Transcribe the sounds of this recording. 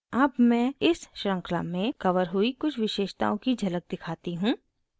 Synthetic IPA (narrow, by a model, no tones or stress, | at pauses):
ɐbmɛ̃ːɪsʃɾə̃ŋkla̰mẽkɐʋəɾɦʊikʊt͡ʃʰʋɪʃeːʃt̪a̰ːõkid͡ʒʱɐlək̚d̪ɪkʰaːt̪iɦũː